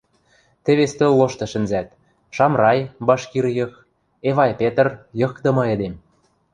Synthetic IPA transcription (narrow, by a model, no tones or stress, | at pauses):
t̪ɘ̆βest̪ølːoʃt̪ɤ̆ʃɘ̆nzæt̪ | ʃɑmrɑjbɑʃkirjɤ̆x | eβɑjpet̪ə̆rjɤ̆kt̪ɤ̆mɤ̆ĕd̪em